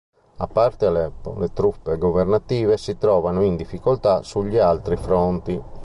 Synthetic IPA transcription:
a̰pːart̪ealepo̰let̪ɾupːeɡovernat̪iːvesit̪ɾɔːvanoind̪ifːikolt̪asuʎːialt̪ɾifɾɔnt̪i

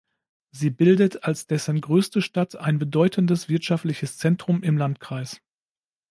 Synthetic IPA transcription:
ziːbɪldətʰalsd̥ɛsn̩ɡʁøːstəʃtatʰaɪnbədɔʏtʰən̩dəsv̥ɪɐtʃaftlɪçəst͡sɛntʁ̥ʊmɪmlantkʁ̥aɪs

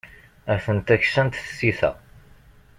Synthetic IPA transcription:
æθənt̪æçsənt̪θəsiθæ̰

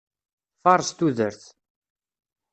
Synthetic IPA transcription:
fɑɾˤst̪uðəɾθ

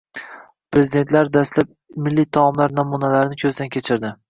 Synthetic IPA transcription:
pɾezid̪e̞nt̪laɾd̪ast̪lap̚mɪlːit̪ʰɒmlaɾnɒmunalaɾɪnɪkʲʰɵzd̪ankʲʰet͡ʃʰɪɾd̪ɪ

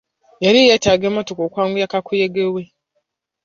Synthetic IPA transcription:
jaɾijetaɡemotukokwaːŋɡujakakujeɡewe

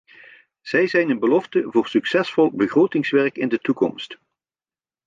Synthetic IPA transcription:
z̥ɛjzɛjnənbəlɔftəvʊːrsyksɛsfɔlˠbəχrowtɪŋsʋɛɹkɪndətukɔ̰mst

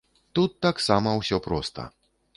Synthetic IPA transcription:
t̪ut̪ːaksamɐwsʲɔpɾɔst̪ɐ̰

